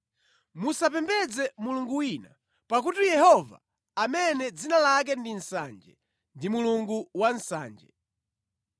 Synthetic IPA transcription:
musap̬ɛmbɛd͡zɛmuluŋɡuwina | pak̬utijɛhɔva̰ː | mɛnɛd͡zinalak̬ɛndin̩sa̰nd͡ʒɛ̰ | ndimuluŋɡuwan̩sa̰ːnd͡ʒɛ̰

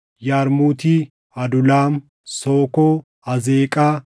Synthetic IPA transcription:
jaːɾmuːt̪ɪ | ɐd̪ʊlaːm | soːkɔ | ɐzeːkʼɐ

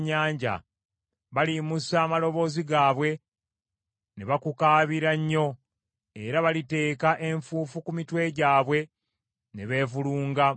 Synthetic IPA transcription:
ɲːaːɲɟa̰ | βalimusaːmalo̞βo̞ːziɡaːβwe̞ | ne̞βakukaːβiɾaɲːo̞ | e̞ɾaβalite̞ːkaʔe̞ɱfuːfukumitwe̞ɟaːβwe̞ | ne̞βe̞ːvuluːŋɡa

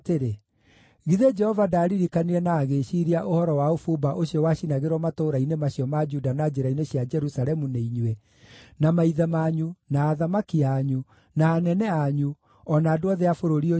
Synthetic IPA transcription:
teɾe | ɣiðed͡ʒɛhɔvadaɾiɾikaniɾɛnaːɣeʃiːɾiaʔohɔɾɔwaofubaʔoɕiɔwaɕinaɣeɾwɔmatoːɾainemaɕiɔmad͡ʒudanad͡ʒeɾaineɕjad͡ʒɛɾusaɾɛmuneiɲwɛ | namaiðamaɲunaːðamakiaɲu | naːnɛnɛaɲu | ɔnaːdoɔðeafoɾoɾio

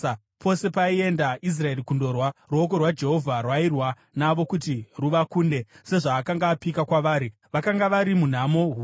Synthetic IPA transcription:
pʰo̞se̞paie̞ndaʔis̬rae̞rikundo̞rwaruok̬o̞rwad͡ʒe̞ɦo̞vʱarwairwa | naʋo̞kutiruʋakuːnde̞se̞ʐaːkaŋɡaːpikakwaʋaːɾi | ʋakaŋɡaʋaɾimun̤amo̞ɦu

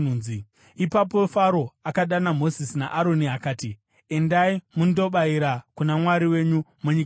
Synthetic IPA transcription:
uːi | ipap̬ofaɾo̞akaɗanamo̞zisina̰ʔaɾo̞niakaːti | e̞ndaimundo̞ɓaiɾakunamwaɾiwe̞ɲumuɲik

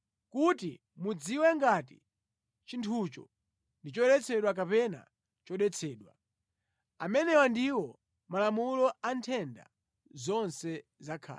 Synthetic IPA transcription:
kuti | mud͡ziwɛŋɡati | t͡ʃintʰut͡ʃɔ̰ | ndit͡ʃɔɗɛt͡sʰɛɗwak̬apɛna̰ | t͡ʃɔɗɛt͡sʰɛːɗwa | amɛnɛwandiwɔ | malamulɔantʰɛnda̰ | zɔnsɛzakʰa̰ː

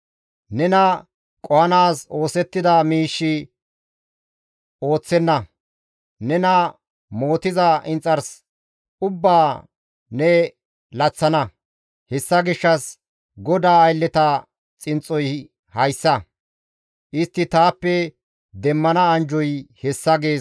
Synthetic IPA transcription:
nɛnɐ | kʼɔhɐnaːso̞ːsɛt̪ːɪd̪ɐmiːʃːɪ | o̞ːt͡sːɛnːɐ | nɛnɐ | mo̞ːt̪ɪzɐʔɪnt͡sʼːɐɾs | ʊbːaː | nɛ | lɐt͡sːɐnɐ | hɛsːɐɡɪʃːɐs | ɡɔd̪aːɐjlːɛt̪ɐ | t͡sʼɪnt͡sʼːɔj | hɐjsːɐ | ʔɪst̪ːɪt̪aːpːɛ | d̪ɛmːɐnɐːnd͡ʒɔjhɛsːɐɡeː

